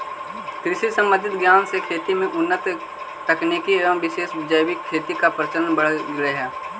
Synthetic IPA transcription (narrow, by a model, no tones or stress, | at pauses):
kɾɪʃisə̃mbə̃nd̪ʱɪt̪ɡjaːnsekʰeːʈ̪imẽʔʊnːət̪ | ʈəknekiɾəmʋɪʃeːʃbɪd͡ʒəjbɪkʰːeːʈ̪ikapɾət͡ʃəɾənbəɽ̤əɡɾəeɦɛː